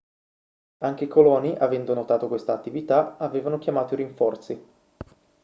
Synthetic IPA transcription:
aŋk̟eikolɔːniʔavɛnd̪onot̪aːt̪okwest̪aːt̪ːivit̪aaveːvanokʲjamaːt̪oiɾiɱfɔrt̪si

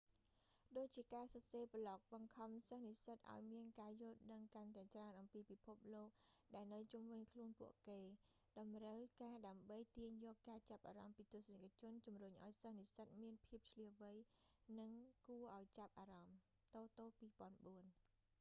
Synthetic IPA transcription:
ɗoːc̚t͡ɕiəkaːsɑseːpəlɑk̚ɓɑŋkʰɑmsəhnisət̪̚ʔa̰ɔjmiənkaːjʊəlɗəŋkant̪aɛt͡ɕraənʔɑmpiːpipʰup̚loːk̚ɗaɛlnɨwt͡ɕumʋɨɲkʰluənpŭəʔkeː | ɗɑmrəwkaːɗaəmɓəjt̪iəɲjɔːkːaːt͡ɕap̚ʔaːɾɑmpiːt̪ʊ̆əsnakʰat͡ɕʊ̆ənt͡ɕumruɲʔa̰ɔjsəhnisət̪̚miənpʰiəp̚t͡ɕʰliəʋɨjnɨŋkuəʔaɔjt͡ɕap̚ʔaːɾɑm | t̪oːt̪oːpiːpŏənɓuən

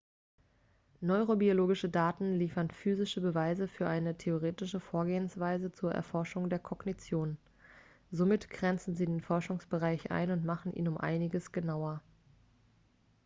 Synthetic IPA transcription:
nɔʏʁobioloːɡɪʃədaːtn̩liːfɐnfyːzɪʃəbəvaɪzəfyːɐʔaɪnətʰeoʁ̞eːtɪʃəfoːɐɡeːənsv̥aɪzət͡suːɐʔɛ̰ɐfɔɐʃʊŋdeːɐkʰɔɡ̥nit͡sjoːn | zomɪtɡ̥ʁɛnt͡sn̩ziːdeːnfɔɐʃʊŋsb̥əʁaɪçʔa̰ɪnʊntmaχn̩ʔḭːnʊmʔa̰ɪnɪɡəsɡ̥ənaʊɐ

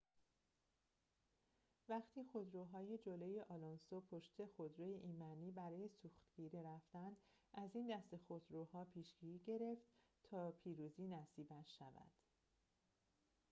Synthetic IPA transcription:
væχt̪ʰiːxo̞d̪ɾoːɦɒːjed͡ʒolojeʔɒːlonsopʰoʃt̪ʰe̞xod̪ɾojeʔiːnmæniːbæɾɒːje̞suːxt̪ɟ̥iːɾiɾæft̪ænd̪ | ʔæziːnd̪æst̪e̞xod̪ɾoːhɒːpʰiːʃɡ̥iːɾiːɟe̞ɾe̞ft̪ | t̪ʰɒːpʰiːɾuːziːnæsiːbænʃævæ̰d̪̥

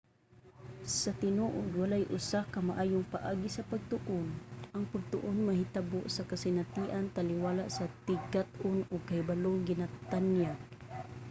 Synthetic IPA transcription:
sɐt̪ɪnoʔʊd̪walajʔʊ̰sakɐmaʔaːjʊŋpaʔaːɡisɐpaɡ̚t̪ʊʔʊnʔaŋpaɡ̚t̪ʊ̰ʔonmɐɦɪt̪aboʔsɐkasɪnat̪iːʔant̪alɪwaːlaʔsɐt̪ɪɡat̪ʔʊnʊɡ̚kahɪbaloŋɡɪnat̪anjaɡ̚

